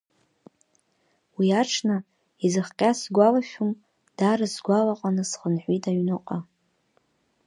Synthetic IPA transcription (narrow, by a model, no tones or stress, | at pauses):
wiaʈ͡ʂʰna | izɨχqʲʼasɡʷalaʃʲᶣum | d̥aɾɨsɡʷalaqʼanɨsχənħʷitʰʼaɥnɨqʼa